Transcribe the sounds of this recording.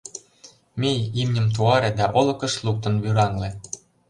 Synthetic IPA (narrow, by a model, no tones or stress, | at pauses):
mʲejimnʲə̆mt̪̬uɑɾĕd̪ɑʔolɤ̆kɤ̆ʃluk̚t̪ɤ̆nβyɾɑŋlĕ